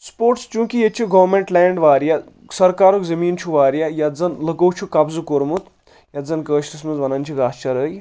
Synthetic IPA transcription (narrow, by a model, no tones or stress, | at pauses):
spoːɾʈst͡ʃũːkijet͡ʃʰiɡɐʋmeɳʈlɛːɳɖʋaːɾja | sɐɾkaːɾokzɐmiːnt͡ʃʰuʋaːɾjajad͡zɐnlɐkowt͡ʃʰukɐbzukoɾmut̪ | jad͡zɐnkəːʃlismɐzʋɐnɐnt͡ʃʰukaːst͡ʃʰɐɾəːj